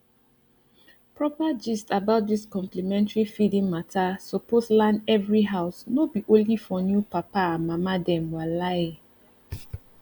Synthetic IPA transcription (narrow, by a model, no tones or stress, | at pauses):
pɹɔpad͡ʒɛstabaʊt̚diskɔ̃mplimɛ̃ntaɹifidĩŋmatʰasɔposlãnɛvɹiɦaʊsnobiʔõnlifɔnjupapaãmamadɛ̃mwala